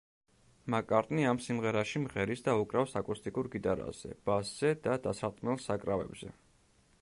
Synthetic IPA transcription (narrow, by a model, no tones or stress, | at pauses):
makʼaɾt̪ʼniamsimʁɛɾaʃimʁɛɾisd̪aukʼɾafsakʼust̪ʼikʼuɾɡit̪ʼaɾa̰z̥ɛ̰b̥asz̥ɛd̪ad̪asaɾt̪ʼmɛlˠsakʼɾavɛ̰bzɛ̰